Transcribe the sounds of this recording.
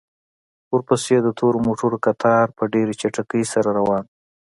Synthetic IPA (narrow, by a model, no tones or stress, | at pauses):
ʊɾpəsjad̪ət̪ʰoɾomoʈuɾokat̪ʰɑɾpəɖeɾet͡ʃaʈakəjsaɾaɾawɑn